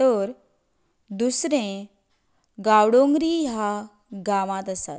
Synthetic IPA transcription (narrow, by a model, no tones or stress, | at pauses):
təɾ | d̪usɾẽ | ɡawɽõŋɡɾija | ɡaʋãt̪əsa̰t̪